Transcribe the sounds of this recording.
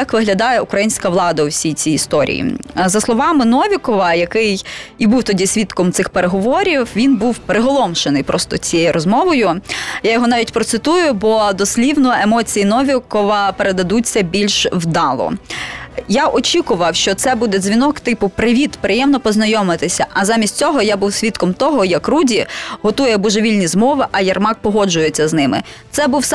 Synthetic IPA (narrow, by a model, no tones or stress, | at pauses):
jɑkʋɪɦlʲɐd̪ɑjɛʊkɾɐjinʲsʲkɐʋlˠɑd̪ɐʊwsʲijt͡sʲiːst̪ɔɾʲḭjḭzɐslˠɔʋɑmɪnɔʋʲikɔʋɐjɐkɪjibuwt̪ɔdʲisʲʋʲit̪kɔmt̪sɪxpeɾeɦɔʋɔɾʲiwʋʲinbuwpɾɪɦɔlˠɔmʃenɪjpɾɔst̪ɔt͡sʲijejiɾʔɔzmɔʋɔjʊjajɔɦɔnɑʋʲitʲpɾɔtsɪt̪ujʊbɔd̪ɔsʲlʲiwnɔemɔt͡sʲijinɔʋʲikɔʋɐpeɾed̪ɐd̪ut͡sʲːɐbʲilʲʃwd̪ɑlˠɔ̰ | jaʔɔt͡ʃʲikʊʋɐwʃt͡ʃɔt̪sɛbud̪ɛzʲʋʲinɔkt̪ɪpʊpɾɪʋʲit̪pɾɪjɛmnɔpɔznɐjɔmɪt̪ɪsʲɐʔɐzɑmʲisʲtʲt͡sʲɔɦɔjabuwsʲʋʲit̪kɔmt̪ɔɦɔjɐkrudʲiɦɔt̪ujɛbuʒeʋʲilʲnʲizmɔʋɪʔɐjɐrmɑk̚pɔɦɔd͡ʒʊjet͡sʲːɐznɪmɪ̰sɛbuws